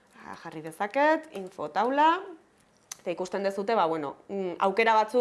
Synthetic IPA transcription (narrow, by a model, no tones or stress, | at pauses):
ʝarið̞e̞sake̞t̪iɱfo̞t̪awla | et̪aikust̪e̞nd̪esut̪e̞βaβweno̞̰a̰wke̞ɾaβ̞at͡su